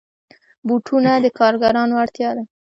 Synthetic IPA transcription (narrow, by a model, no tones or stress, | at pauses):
buʈʰunad̪əkɑɾɡaɾɑnoaɽt̪jɑd̪a